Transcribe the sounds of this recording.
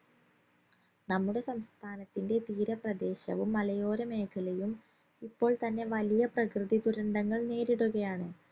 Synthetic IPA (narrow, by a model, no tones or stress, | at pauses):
nɐmːuɽe̞sɐmst̪ʰaːnɐt̪ːinde̞t̪iːɾɐprɐd̪e̞ːɕɐ̰ʋumːɐlɐjo̞ːɾɐme̞ːkʰɐlɐjum | ipːo̞ːɭt̪ɐnːe̞ʋɐlijɐprɐkrɨðid̪uɾɐɳɖɐŋːɐɭne̞ːɾiɽuɣɐjaːɳɨ